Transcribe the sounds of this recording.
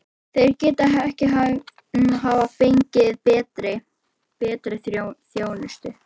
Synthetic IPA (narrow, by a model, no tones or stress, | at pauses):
θejɾcɛːt̪aɦaɛhcɪɦa | ɦaːvafejɲcɪɪðpɛːt̪ɾɪ | pɛːt̪ɾɪθθjoːwnʏst̪ʏ